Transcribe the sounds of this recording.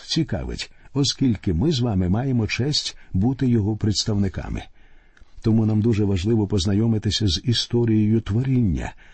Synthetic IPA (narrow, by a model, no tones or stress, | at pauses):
t͡sʲikɑ̰ʋɪ̰tʲɔskʲilʲkɪmɪzʋɑmɪmɑjemɔt͡ʃɛsʲtʲbut̪ɪjɔɦɔpɾet̪st̪ɐwnɪkɑ̰mɪ̰ | t̪ɔmunamd̪uʒɛʋɐʒlˠɪʋɔpɔznɐjɔmɪt̪ɪsʲɐzist̪ɔɾʲijɔjʊt̪ʋɔɾʲinʲːɐ̰